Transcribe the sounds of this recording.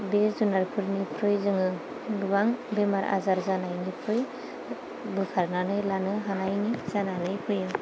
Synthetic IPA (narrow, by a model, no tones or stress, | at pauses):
bezunaɾpʰɯɾnipʰɾɯjzɯŋɯ | lubaŋbemaɾʔa̰zaɾzanajnipʰɯj | bɯkʰaɾnanɯjlanɯɦanajnizananɯjpʰɯjɯ